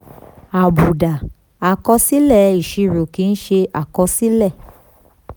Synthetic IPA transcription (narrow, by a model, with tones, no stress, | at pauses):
a˨bu˨da˨ | a˨kɔ˧si˦lɛ˦˨i˨ʃi˧ɾo˨ki˨˧n̩˦ʃe˧ʔa˨kɔ˧si˦lɛ˦˨